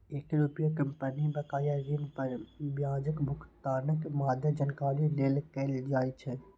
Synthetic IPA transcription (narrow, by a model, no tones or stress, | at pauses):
eːkɾupjakəmpənibɐkaːjad͡ʒiːnpɐɾbjaːd͡ʒəkbʱʊkt̪aːnəkmaːd̪ʱjəd͡ʒənkaːlileːlkɛld͡ʒaːjt͡ʃʰɛ